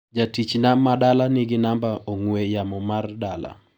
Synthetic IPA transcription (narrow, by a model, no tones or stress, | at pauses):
d͡ʒatit͡ʃnamadalanɪɡɪnambaʔoŋwejamɔmardala̰